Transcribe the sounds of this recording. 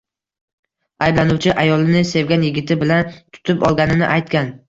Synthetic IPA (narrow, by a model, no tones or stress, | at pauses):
ajblanʊwt͡ʃʰɪʔajɒlˠɪnɪse̞vɡʲanjɪɡʲɪt̪ʰɪbɪlant̪ʰʊ̥t̪ʰɪpɒlˠɡʲanɪnɪ̰ʔajt̪kʲan